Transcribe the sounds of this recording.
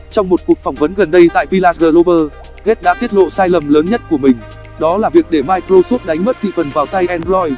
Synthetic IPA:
t͡ɕɔ˧wŋ͡mmo˨˩t̚ku˨˩ək̚fɔ˧˩wŋ͡mvə˨˦nɣə˨˩nɗə˧jt̪a̰ː˧˨jvi˧laː˧tɣəː˧lo˧ɓəː˧ | ɣe˦˥t̚ɗa̰˧˥t̪i˦˥ət̚lo̰˧˨saː˧jlə˨˩mləː˨˦nɲə˦˥t̚ku˧˩əmï˨˩ŋ̟ | ɗɔ˨˦laː˨˩vi˨˩ək̚ɗe˧˩maː˧jkɾo˧so˦˥t̚ɗa˨˦ŋ̟mə˦˥t̚t̪ʰḭ˧˨fə˨˩nvaː˨˩wt̪a˧jʔɛ˧nzɔ˧j

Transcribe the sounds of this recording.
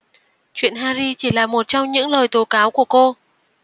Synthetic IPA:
t͡ɕwḭ˧˨ənhaː˧zi˧t͡ɕi˧˩laː˨˩mo˨˩t̚t͡ɕɔ˧wŋ͡mɲɨ̰˧˥ŋləː˨˩jt̪o˨˦kaː˨˦wku˧˩əko˧

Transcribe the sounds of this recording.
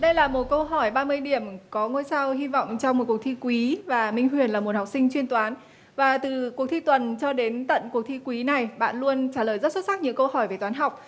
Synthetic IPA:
ɗə˧jlaː˨˩mo˨˩t̚kə˧wɦɔ˧˩jɓaː˧mɨ˧əjɗi˧˩əmkɔ˨˦ŋo˧jsa˧whi˧vɔ̰˧˨wŋ͡mt͡ɕɔ˧wŋ͡mmo˨˩t̚ku˨˩ək̚t̪ʰi˧kwi˨˦vaː˨˩mï˧ŋ̟ɦwi˨˩ənlaː˨˩mo˨˩t̚hwk͡p̚sï˧ŋt͡ɕwi˧ənt̪waː˨˦n | vaː˨˩t̪ɨ˨˩ku˨˩ək̚t̪ʰi˧t̪wə˨˩nt͡ɕɔ˧ɗe˨˦nt̪ə̰˧˨nku˨˩ək̚t̪ʰi˧kwi˨˦na˨˩jɓa̰ː˧˨nlu˧ənt͡ɕaː˧˩ləː˨˩jzə˦˥t̚sə˦˥t̚sa˦˥k̚ɲɨ̰˧˥ŋkə˧whɔ˧˩jve˨˩t̪waː˨˦nɦa˨˩wk͡p̚

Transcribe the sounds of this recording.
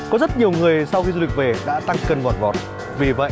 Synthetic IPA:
kɔ˨˦zə˦˥t̚ɲi˨˩əwŋɨ˨˩əjsa˧wxi˧zu˧li˨˩k̚ve˨˩ɗa̰ː˧˥t̪a˧ŋkə˧˩nvɔ˨˩n̚vɔ˨˩t̚ | vi˨˩və̰˧˨

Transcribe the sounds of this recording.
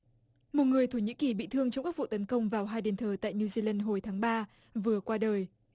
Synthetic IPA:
mo˨˩t̚ŋɨ˨˩əjt̪ʰo˧˩ɲḭ˧˥ki˨˩ɓḭ˧˨t̪ʰɨ˧əŋt͡ɕɔ˧ŋ͡mkaː˦˥k̚vṵ˧˨t̪ə˨˦nkə˧wŋ͡mvaː˨˩wɦaː˧jɗe˨˩nt̪ʰəː˨˩t̪a̰ː˧˨jniu˧zi˧la˧nɦo˧˩jt̪ʰaː˨˦ŋɓaː˧ | vɨ˨˩əkwaː˧ɗəː˨˩j

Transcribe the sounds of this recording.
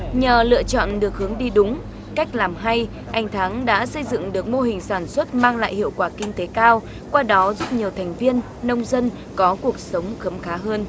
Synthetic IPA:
ɲəː˨˩lɨ̰˧˨ət͡ɕɔ̰˧˨nɗɨ˨˩ək̚hɨ˨˦əŋɗi˧ɗʊ˨˦ŋ͡m | ka˦˥jk̟̚laː˨˩mɦa˧j | ʔa˨˩jŋ̟t̪ʰaː˨˦ŋɗa̰ː˧˥sə˧jzɨ̰˧˨ŋɗɨ˨˩ək̚mo˧ɦï˨˩ŋ̟saː˧˩nswə˦˥t̚maː˧ŋla̰ː˧˨jhḭ˧˨əwkwaː˧˩kï˧ŋ̟t̪e˨˦kaː˧w | kwaː˧ɗɔ˨˦zu˦˥p̚ɲi˨˩əwt̪ʰɛ˨˩jŋ̟vi˧ənːə˧wŋ͡mzə˧n | kɔ˨˦ku˨˩ək̚sə˨˦wŋ͡mxə˨˦mxaː˨˦ɦəː˧n

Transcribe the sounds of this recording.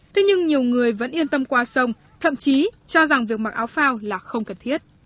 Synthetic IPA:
t̪ʰe˨˦ɲɨ˧ŋɲi˨˩əwŋɨ˨˩əjvə̰˧˥nʔi˧ənt̪ə˧mkwaː˧sə˧wŋ͡m | t̪ʰə̰˧˨mt͡ɕi˨˦t͡ɕɔ˧za˨˩ŋvi˨˩ək̚ma˨˩k̚ʔaː˨˦wfaː˧wlaː˨˩xə˧wŋ͡mkə˨˩nt̪ʰi˦˥ət̚

